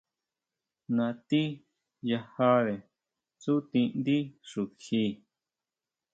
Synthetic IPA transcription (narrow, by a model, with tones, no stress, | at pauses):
nã˧t̪i˦ | ja˧ha˦ðe˨ | t͡su˦t̪ĩ˧nd̪i˦ʂu˨xi˧